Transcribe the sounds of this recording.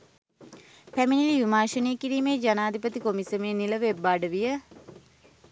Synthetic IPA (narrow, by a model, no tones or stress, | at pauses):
pæminiliʋimaːʃənejəkiɾiːmeːd͡ʒanaːd̪ʱipət̪ikomisəmeːniləʋebːaːɖəʋijə